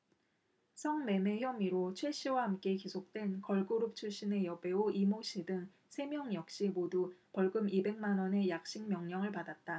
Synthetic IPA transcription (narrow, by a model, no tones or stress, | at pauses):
sʰʌŋme̞me̞çjʌmiɾot͡ɕʰweɕ͈ʰiwahamk͈e̞kisʰok̚t͈we̞nkʌɭɡoɾup̚t͡ɕʰuɭɕ͈ine̞jʌbe̞oʔimoɕ͈ʰidɯŋ | sʰe̞mjʌŋjʌk̚ɕ͈imodupʌɭɡɯmibe̞ŋmanʌne̞jak̚ɕ͈iŋmjʌŋɲʌŋɯɭpadat̚t͈a